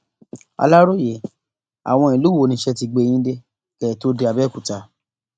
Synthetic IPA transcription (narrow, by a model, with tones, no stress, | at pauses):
a̰˧la˦ɾo˦˨je˨ | a̰˨w̃ɔ̃˧i˨lu˦wo˦˨nĩ˧˦ʃɛ˦ti˧ɡ͡bẽ˧˦ĩ˦de˦ | kɛ˨to˦de˧a˨bɛ˦˨ku˨ta˧˦